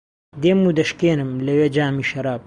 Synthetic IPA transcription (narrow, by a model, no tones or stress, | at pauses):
d̪eːmud̪ɐʃkeːnɨmlɐweːd͡ʒaːmiːʃɐɾaːb̚